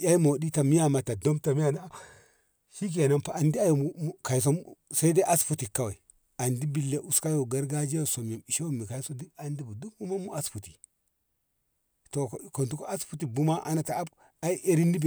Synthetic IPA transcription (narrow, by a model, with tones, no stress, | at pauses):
ja˦i˦mo˨di˦ta˨mi˦ja˦ma˨ta˨do˦mta˨mi˦a˨na˦ | ʃi˦k̬i˦˨a˨na˦npa˨a˨ndi˦a˦jo˨u˨˦ka˨i˨s̬o˦sa˦i˦de˦ʔa˦sfu˦ti˨ka˦wa˨i˨ | a˨ndi˦bi˨lːe˨ʔu˨ska˦jo˨ɡa˦ɾɡa˦d͡ʒe˦jo˨so˨mi˨i˨ʃe˦wo˦mi˨ka˨i˦so˦di˦a˨ndi˦bu˨du˦bu˦ma˦mu˦a˦sfu˨ti̥˨ | to˨ko˨ntu˦ko˦a˦sfu˦t̬i˨bu˦ma˦ʔa̰˦na˨ta˨a˦b | a˦i˦ʔe˦ɾi˦ni˦bi˨